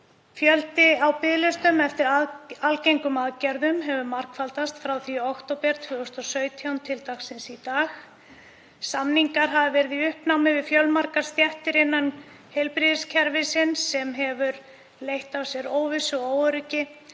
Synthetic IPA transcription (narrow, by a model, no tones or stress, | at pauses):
fjœlt̪ɪawpɪðlʏst̪ʏmɛft̪ɪɾalcejŋkʏmaðcɛɾðʏmɦɛvʏɾmaɾ̥kfalt̪ast̪fɾawθiɔɔkt̪owpɛɾ̥t̪ʰvœːɔst̪ɔsœːɥt̪ʰjawnt̪ʰɪlt̪axksɪnsit̪aːx | samniŋkaɾ̥ɦavɪvɛɾðiʏhpnawmɪvɪðfjœlmaɾkaɾ̥st̪jɛft̪ɪɾɪnːan | hejlpɾiðɪscʰɛɾvɪsɪnsːɛmɦɛvʏɾ | lejht̪awsjɛɾoːwvɪsʏɔɣoːwœɾʏcɪ